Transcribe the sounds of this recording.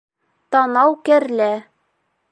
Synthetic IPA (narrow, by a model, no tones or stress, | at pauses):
t̪ɑnɑwkæɾlæ